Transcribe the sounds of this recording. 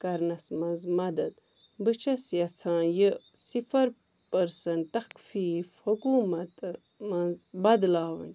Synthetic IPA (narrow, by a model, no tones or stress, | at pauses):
kɐɾnɐsmɐnzmɐd̪ɐd̪ | bɨt͡ʃʰɐsjɐsʰãːjə | sifɐɾ | pɐɾsɐnt̪ɐkfiːfhukuːmɐt̪ | mɐnzbɐd̪laːwɐ̰n